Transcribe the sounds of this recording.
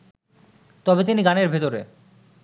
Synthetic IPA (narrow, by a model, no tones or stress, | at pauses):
t̪ɔbet̪iniɡaneɾbʱet̪oɾḛ